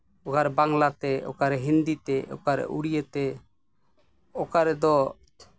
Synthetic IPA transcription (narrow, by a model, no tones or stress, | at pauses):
ɔkaɾbaŋlat̪ɛɔ̰kaɾɛɦind̪it̪ɛɔ̰kaɾɛ̰ʔuɽijət̪ɛ | ɔkaɾɛd̪ɔ